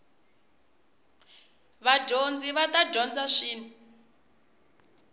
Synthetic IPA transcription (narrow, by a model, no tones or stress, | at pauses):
βaɟʱond͡ziβatadʱɔnd͡zaʂiːni